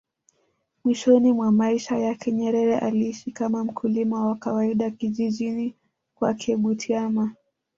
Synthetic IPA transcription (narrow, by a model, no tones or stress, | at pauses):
mwiʃɔnimwamaiʃajakʰɛɲɛɾɛɾɛʔaliiʃikamam̩kʰulimawakawaiɗakiʄiʄini | kwakʰɛɓutʰiama